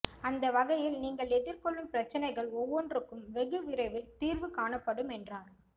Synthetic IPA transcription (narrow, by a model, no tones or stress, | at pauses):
ɐnd̪ɐʋɐɣɐjɪlniːŋɡɐɭɛðɪɾkɔɭːɯmpɪɾɐt͡ʃːɐnɐɪɣɐɭɔʋːɔndrɯkːɯmʋɛɣɯʋɪɾɐɪʋɪlt̪iːɾʋɯkaːnɐpːɐɽɯmɛndraːɾ